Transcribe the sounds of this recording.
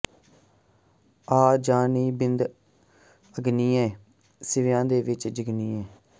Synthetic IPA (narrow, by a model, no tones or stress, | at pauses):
aːd͡ʒaːniːbɪnd̪ | əɡniːɛ̃ː | sɪʋjãːd̪eːʋɪt͡ʃd͡ʒəɡniːɛ̃ː